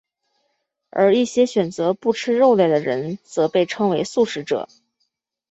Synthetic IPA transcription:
ə̰˞˧˥i˥˩ɕjɛ˥ɕɥɛ˨˩nt͡sɤ˧˥pu˥˩ʈ͡ʂʰɻ̩˥ɻo˥˧ʊle˥˩ɪd̪ə˩ɻə˧˥nt͡sɤ˧˥pe˥˩ɪʈ͡ʂʰɤ˥ŋwe˧˥ɪsu˥˩ʂɻ̩˧˥ʈ͡ʂɤ̰˨˩˦

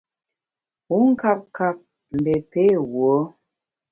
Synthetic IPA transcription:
u˨˦ŋ̩˦ka˦p̚ka˦p̚ | m̩˨be˨pe˦wwo˨˦

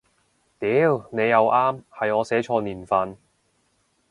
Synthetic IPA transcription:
t̪iː˨˥wne˨˧jːɐ˨˧wʔaː˥mhɐ˨jŋɔː˨˧sɛː˨˥t͡ʃʰɔː˧niː˨˩nfɐ˨n

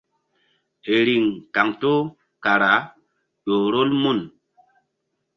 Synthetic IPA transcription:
e˨ɾi˨ŋka˨ŋto˦ | ka˨ɾa˨˦ | ɗo˨ɾo˦lmu˦˨n

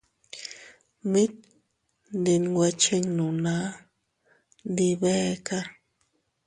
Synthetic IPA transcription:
mi˦t̪̚ | ndi˨nɡwa˧t͡ʃi˦ŋnu˨na˦ | d̪i˧βe˦ka˦

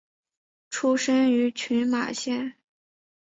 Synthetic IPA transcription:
ʈ͡ʂʰu˥ʂə˥ny˧˥t͡ɕʰy˧˥nma̰˨˩ɕjɛ˥˩n

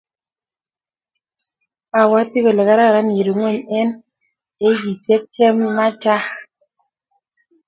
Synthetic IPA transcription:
a˨wa˨˦ti˦ɣɔ˨le˨ka˦ɾa˦˨ɾa˨˦nje˨ɾi˨˦ŋwɛ˦˨ɲɛ˦n | e˦ji˨se˦kɛ˦mːa˦t͡ʃa˦

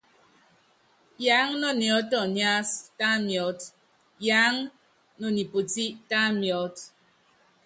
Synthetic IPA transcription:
jaː˨˦ŋnɔ˦˨njɔ˨˦tɔ˦˨ɲa˦sta˦mjɔ˨˦t | jaː˨˦ŋ | no˨ni˨po˨ti˦ta˦mjɔ˨˦t

